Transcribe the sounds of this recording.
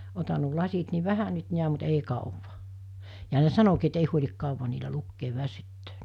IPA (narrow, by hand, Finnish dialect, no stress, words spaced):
otɑn̆ nuo lɑsit ni ʋæhæ nyt niæm̆ mut ei kɑˑuʋɑ jɑ ne sɑnokiː et ei huolʲik kɑˑuʋɑ niːlæ lukːeːʋ ʋæsytːøːn